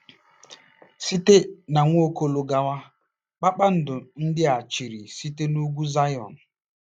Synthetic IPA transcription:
si˦te˦na˨ŋʷo˦ko˦lo˨ɡa˨ŋʷa˦ | k͡pa˦k͡pa˦n̩˦dʊ˨n̩˦dɪ˦a˨t͡ʃi˨ɾi˨si˦te˦nu˦ɡʷu˦za˦jɔ̰˨n̩˨

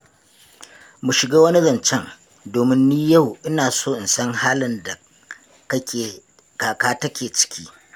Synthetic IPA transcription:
mu˨ʃɪ˨ɡaː˦wɐ˦ni˦zɐ˨nt͡ʃɛ˦ŋ | doː˨mɪ˦nːiː˦jɐ˦˨wʔɪ˦naː˨soː˦ʔɪ˨nsɐ˦ŋhaː˦lɪ˦nda˨ | kɐ˦kʲeː˨ | kaː˨kaː˦tɐ˦kʲeː˨t͡ʃɪ̥˨˦kʲʰḭː˦

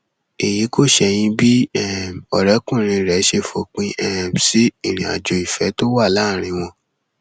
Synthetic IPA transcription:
e˨ji˨˦ko˦˨ʃɛ˧j̃ĩ˧bi˦ɛ˦˨mɔ˨ɾɛ˨˦kũ˦˨ɾ̃ĩ˧˨ɾɛ˨˦ʃe˧fo˧˦k͡pĩ˧ʔɛ˦˨m˨si˦i˦˨ɾ̃ĩ˨a̰˨d͡ʒo˨i˨fɛ˨˦to˦wa˦˨la˨˦˨ɾ̃ĩ˧w̃ɔ̃˧

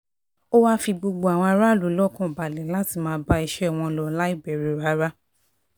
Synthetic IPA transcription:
o˦wa˦fi˧ɡ͡bo˧ɡ͡bo˧˨a˨w̃ɔ̃˧a˧ɾa˦˨lu˨˦lɔ˦kɔ̃˦˨ba˨lɛ˨la˦ti˦˨mãː˨˧˦ba˦i˧ʃɛ˦˨w̃ɔ̃˧lɔ˧la˦i˦˨bɛ˨ɾi˨ɾa˨˦ɾa˦

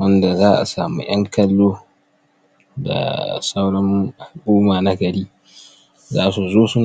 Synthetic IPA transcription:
wɐ˦nda˨zaː˦ʔa̰˨saː˨mṵ˦j̰ɐ˦ŋkʰɐ˦lːoː˦ | da̰˨sa˦wɽɐ˦mʔa˨lʔuː˦maː˨na˦ɡɐ˨ɽiː˦ | zaː˦su˨zoː˦sʊ˦n

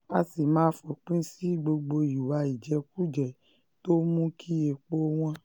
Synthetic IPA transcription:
a˧si˨mãː˦fɔ˨k͡pĩ˦si˦ɡ͡bo˧ɡ͡bo˧i˨wa˧i˨d͡ʒɛ˧ku˦d͡ʒɛ˨ | to˦mũ˦kʰi˦e˧k͡po˦w̃ɔ̃˧

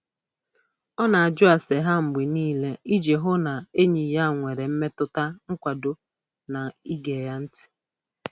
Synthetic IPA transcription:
ɔ˦na˨a˨d͡ʒʊ˦a˨se˨ɦa˦ŋ͡m̩˨ɡ͡bi˨niː˦le˦i˦d͡ʒe˨ɦʊ˦na˨e˦ɲi˨ja˦˨ŋʷe˨ɾe˨m̩˦me˦tʊ˦ta˦ŋ̩˦kʷa˨do˦ | na˨i˦ɡe˨ja˦n̩˦tɪ̥˦

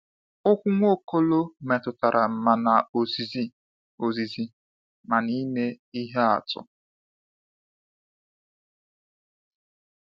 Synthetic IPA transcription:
ʊ˦kʷʊ˦ŋʷo˦˨ko˦lo˦me˨tʊ˨ta˨ɾʔa˨m̩˨ma˨na˨o˨zi˨zi˦ | o˨zi˨zi˦ | ma˨ni˦ne˦ | i˦ɦe˦a̰˨tʊ̰˨

